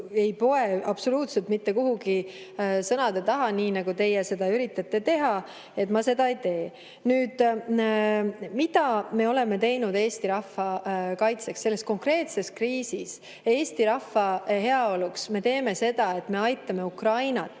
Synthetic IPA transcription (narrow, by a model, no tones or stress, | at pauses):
e̞jpo̞eʔɑb̥so̞luːt̪se̞lt̪mit̪ːe̞kuɦuɡi | sɤnɑd̪̥et̪ɑɦɑniːnɑɡ̥ut̪e̞jese̞d̪ɑyɾit̪ːˑɑt̪ːe̞t̪e̞ɦɑ | e̞t̪mɑse̞d̪ɑejt̪e̞ː | nyːd̪̥ | mid̪̥ɑme̞o̞le̞me̞t̪e̞jnud̪e̞ːst̪iɾɑfːɑkɑjt̪se̞kse̞lːe̞sko̞ŋkre̞ːt̪se̞skriːsis | e̞ːst̪iɾɑfːɑhe̞ɑo̞luksme̞t̪e̞ːme̞se̞d̪ɑe̞t̪ːˑme̞ɑjt̪ːˑɑme̞ukrɑjnɑt̪ː